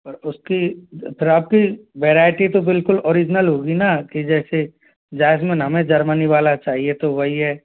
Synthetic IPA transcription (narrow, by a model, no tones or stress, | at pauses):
pɐɾʊskipʰɪɾaːp̚kiʋɛːɾaːɪʈit̪obɪlkʊloːɾɪd͡ʒnəlɦoːɡinakid͡ʒɛːse | d͡ʒaːɪsmẽnɦɐmẽd͡ʒɐɾməniʋaːlat͡ʃaːɦiet̪oʋɐɦiɦɛː